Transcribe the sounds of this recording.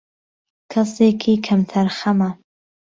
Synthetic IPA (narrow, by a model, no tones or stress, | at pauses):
kʰɐseːkʰiːkʰɐmt̪ʰɐɾxɐmɐ